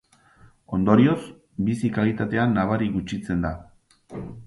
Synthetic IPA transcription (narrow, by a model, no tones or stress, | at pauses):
o̞nd̪o̞ɾio̞s | bisikalit̪at̪e̞anːaβ̞aɾiɣut͡ʃit͡se̞nd̪a